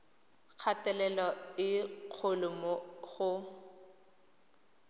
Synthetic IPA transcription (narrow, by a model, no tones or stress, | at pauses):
k͡xʰatɛlɛlɔɪq͡χʰʊlʊmɔɣʊ